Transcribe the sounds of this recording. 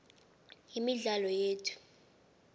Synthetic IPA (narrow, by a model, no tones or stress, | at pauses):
jimiɮalɔjeːtʰu̥